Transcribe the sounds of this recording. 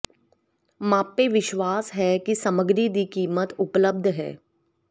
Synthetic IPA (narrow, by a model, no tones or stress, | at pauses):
mãːpːeʋɪʃwaːsɦɛkisɐməɡɾid̪ikiːmət̪ʊpləb̚d̪ʱɦɛ̰ː